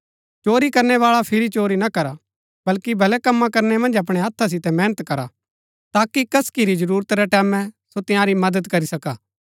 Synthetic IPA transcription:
t͡ʃoːɾikɐɾnɛʋaːɭapʰɪɾit͡ʃoːɾinakɐɾa | bɐlkibʱɐlɛkɐmːãkɐɾnemɐ̃nd͡ʒɐp̬ɽ̃eɦɐt̪ʰːas̬ɪt̪ɛmɛːnət̪kɐɾa̰ | t̪aːkikɐskiɾid͡ʒɐɾuːɾət̪ɾɛʈɛːmɛ̃sot̪ɪ̃jãːɾimɐd̪əd̪kɐɾisɐkaː

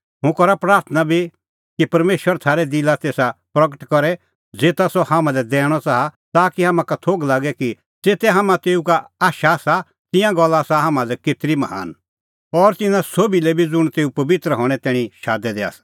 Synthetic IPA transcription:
ɦʊ̃kɔɾapɾaːɾt̪ʰənabʱi | kipɐɾmeːʃwəɾt̪ʰaːɾɛd̪ɪlat̪eːsapɾɐɡəʈkɔɾɛ | d͡zeːt̪asɔhãːmãlɛd̪ɛ̃ːɽ̃ɔt͡saɦat̪aːkiɦãːmãkat̪ʰoːɡlaːɡɛki | d͡zeːt̪ɛɦaːmãt̪eːukaaːʃasa | t̪ɪ̃jãɡɔlːasaɦaːmãlɛkɪt̪ɾimɐɦa̰ːn | ɔːɾt̪ɪnãsoːbilɛbʱid͡zʊɽ̃t̪eːupɐʋɪt̪ɾəɦɔːɽ̃ɛt̪ɛːɽ̃iʃaːd̪ɛd̪ɛa̰ːsḁ

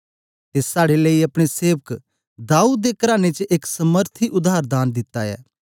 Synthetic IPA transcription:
t̪esaːɽeləiɐpɽ̃eseːʋək | d̪aːuːd̪̚ːekɐɾaːnet͡ʃəʔɪksəməɾt̪ʰiʔʊd̪aːɾd̪aːnd̪ɪt̪ːa̰ɛ̰ː

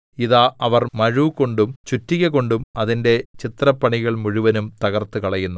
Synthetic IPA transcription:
iðaːʔɐʋɐrmɐɻuko̞ɳɖumt͡ɕutːiɣɐko̞ɳɖumɐðinde̞t͡ɕit̪rɐpːɐɳiɣɐɭmuɻuʋɐnumt̪ɐɣɐrt̪ːɨkɐɭɐjunːu

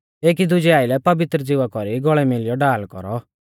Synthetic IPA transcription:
eːk̬id̪ʊd͡ʒɛaːilɛpɐʋɪt̪ɾəd͡zɪʋakɔɾiɡɔɭɛmɪlɪjɔɖaːlkɔ̰ɾɔ

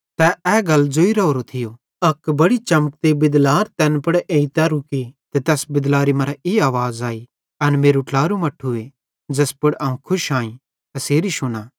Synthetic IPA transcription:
t̪ɛɛːɡɐld͡ʒoːiɾɐoːɾot̪ʰɪjoː | ɐkbɐɽit͡ʃɐmək̚t̪ebɪd̪laːɾt̪ɛːnpɐɽʔeːit̪aɾukit̪et̪ɛːsbɪd̪laːɾimɐɾaʔeːaːʋaːzaːi | ɐnmeːɾuʈlaːɾumɐʈʰːue | d͡ʒɐspʊɽaːũkʰʊʃaːĩ | t̪ɐseːɾiʃʊnaː

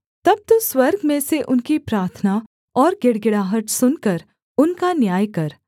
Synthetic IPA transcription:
t̪ɐb̚t̪oswɐɾɡmẽseʔʊnkipɾaːɾt̪ʰna | ɔːɾɡɪɽɡɪɽaːɦəʈ̪sʊnkɐɾ | ʊnkanjaːjkɐɾ

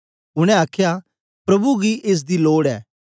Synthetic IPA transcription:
ʊɽ̃ɛ̃aːkʰja | pɾɐbuɡiʔeːs̬d̪iloːɽɛ̰ː

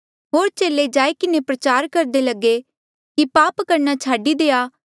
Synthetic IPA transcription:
ɦoːɾt͡ʃeːlːed͡ʒaːikɪnepɾɐt͡ʃaːɾkɐɾd̪elɐɡe | kipaːpkɐɾnat͡ʃʰaːɖid̪eːaː

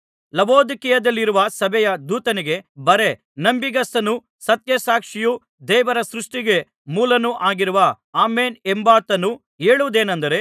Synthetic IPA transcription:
lɐboːd̪ikijɐd̪ɐlːiɾuʋɐsɐbʱɛjɐd̪uːt̪ɐniɡe̞bɐɾe̞ | nɐmbiɡɐsɐnu | sɐt̪jɐsaːkʂiju | d̪ɛːʋɐɾɐsɾuʂʈiɡe̞ | muːlɐnuʔaːɡiɾuʋɐ | aːmeːnembaːt̪ɐnːu | eːɭuʋud̪e̞ːnɐnd̪ɐɾe̞

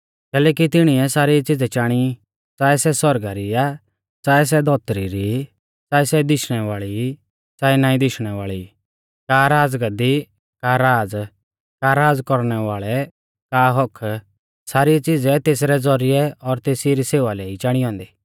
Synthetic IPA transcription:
kɛːlɛːk̬it̪ɪɽ̃iɛsaːɾit͡sɪd͡zɛt͡ʃaːɽ̃i | t͡ʃaːɛsɛsɔɾɡaɾia | t͡ʃaːɛs̬ɛd̪ɔːt̪əɾiɾi | t͡saːɛsɛd̪ɪʃɽ̃ɛʋaːɭi | t͡ʃaːɛnãːĩd̪ɪʃɽ̃ɛʋaːɭi | kaɾaːd͡zɡɐd̪i | kaɾaːd͡z | kaɾaːd͡zkɔɾɽ̃ɛʋaːɭɛ | kaɦɔkʰ | saːɾit͡sɪd͡zɛt̪eːs̬ɾɛd͡zɔɾɪɛɔɾt̪eːsiɾiseːʋalɛːit͡ʃaːɽ̃iɦɔ̃ːnd̪iː

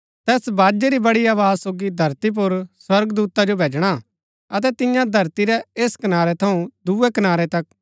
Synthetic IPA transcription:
t̪ɛːsbaːd͡ʒeɾibɐɽiaːʋaːzsoːɡid̪ʱɐɾt̪ip̬ʊɾswɐɾɡd̪uːt̪ad͡ʒobʱeːd͡ʒɽ̃a | ɐt̪̬ɛt̪ɪjãd̪ʱɐɾt̪iɾɛeːskɐnaːɾɛt̪ʰɐũd̪uɛkɐnaːɾɛt̪ɐk̚

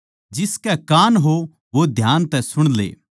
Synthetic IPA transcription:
d͡ʒɪskɛkaːnɦo | ʋod̪ʱjaːnt̪ɛsʊɽ̃lḛː

